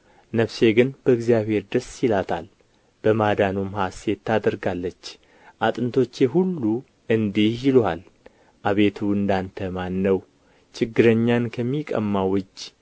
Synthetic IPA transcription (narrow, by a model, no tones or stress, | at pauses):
nəβse̞ɡɨnb̥əɨɡzijaβhe̞ɾd̪əsilat̪ʰa̰l | b̥əmad̪anumhasɛt̪ʰːad̪əɾɡalːət͡ʃː | ʔat̪ʼɨnt̪ʰo̞t͡ʃːɛɦulːu | ɨnd̪ihjɪlal | ʔaβe̞t̪ʰuɨnd̪ant̪ʰəmanːəw | t͡ʃɪɡːɨɾəɲːankʰəmːikʼə̰mːawɨd͡ʒ